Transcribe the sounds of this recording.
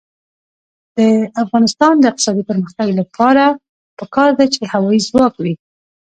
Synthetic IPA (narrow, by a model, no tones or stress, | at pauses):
d̪̥əafɣɑnɪst̪ɑnd̪əɪq̚t̪ɪ̥sɑd̪ipəɾməxt̪aɡlapʰɑɾa | pəkɑɾd̪at͡ʃehawɑizwɑkwi